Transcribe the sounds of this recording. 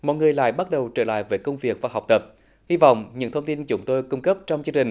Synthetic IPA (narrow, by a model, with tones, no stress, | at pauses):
mɔ̰˧˨jŋɨ˨˩əjla̰ː˧˨jɓa˦˥t̚ɗə˨˩wt͡ɕəː˧˩la̰ː˧˨jveː˨˩kə˧wŋ͡mvi˨˩ək̚vaː˨˩ɦa˨˩k͡p̚t̪ə˨˩p̚ | hi˧vɔ̰˧˨wŋ͡mɲɨ̰˧˥ŋt̪ʰə˧wŋ͡mt̪i˧nt͡ɕʊ˨˦ŋ͡mt̪o˧jkʊ˧ŋ͡mkə˦˥p̚t͡ɕɔ˧wŋ͡mt͡ɕɨ˧ŋt͡ɕï˨˩ŋ